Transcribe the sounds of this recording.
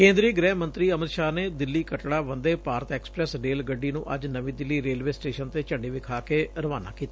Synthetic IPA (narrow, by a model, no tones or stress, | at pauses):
kẽːnd̪ɾiəɡɾɛːɦmənt̪ɾiːəmɪt̪ʃaːneːd̪ɪlːiːkəʈɽaːʋənd̪eːpaːɾət̪ɛːksə̥pɾɛːsɾeːlɡəɖːiːnũːʔəd͡ʒnəʋĩːd̪ɪlːiːɾeːlʋeːsʈeːʃənt̪eːt͡ʃəɳɖiːʋɪkʰaːkeːɾəʋaːna̰ːkiːt̪aː